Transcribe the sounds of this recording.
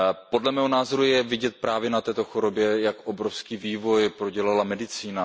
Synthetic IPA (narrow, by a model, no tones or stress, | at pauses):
po̞dlɛmɛːɦo̞naːzo̞ɾujɛvɪɟɛt̪̚pɾaːvjɛnat̪ɛːt̪o̞xoɾo̞bjɛjakʔobɾofskiːviːvo̞jpɾo̞ɟɛlalamɛdɪt͡siːna